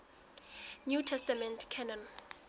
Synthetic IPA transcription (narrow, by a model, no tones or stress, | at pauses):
njutʰɛstamɛ̃ntʰkʰɛnãn